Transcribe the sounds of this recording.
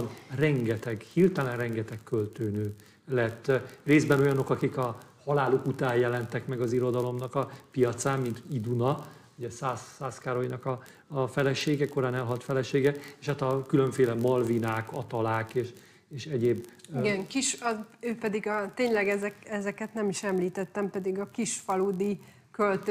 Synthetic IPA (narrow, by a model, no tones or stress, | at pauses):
nrɛŋɡɛt̪ɛɡhiːrt̪ɛlɛnrɛŋɡɛt̪ɛkːølt̪øːnøː | lɛt̪ːreːzbɛno̞jɒno̞kɒkikɒhɒlaːlokut̪aːjjɛlɛnt̪ɛkmɛɡɒziɾo̞d̪ɒlo̞mnɒkɒpijɒt̪saːmmint̪id̪unɒuɟɛsaːsːaːskaːɾo̞jnɒkɒː | fɛlɛʃeːɡɛko̞ɾaːnɛlɦɒlt̪fɛlɛʃeːɡɛeʃaːt̪ɒkylø̞ɱfeːlɛmɒlvinaːkɒt̪ɒlaːkeːʃ | eːʃɛɟeːbiɡɛŋkiʃɒøːpɛd̪iɡɒt̪eːɲlɛɡɛzɛkɛzɛkɛt̪nɛmiʃɛmliːt̪ɛt̪ːɛmpɛd̪iɡɒkiʃfɒlud̪i | kølt̪